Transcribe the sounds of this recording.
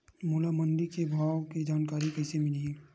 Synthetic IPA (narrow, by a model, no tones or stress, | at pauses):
moːlamənd̪ikebʱaːwkid͡ʒaːnkaːɾikɐɪsemɪlie